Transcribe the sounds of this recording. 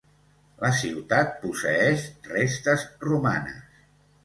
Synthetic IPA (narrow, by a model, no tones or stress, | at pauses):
ləsiwt̪at̪̚pusəɛʃrest̪əzruma̰nə̰s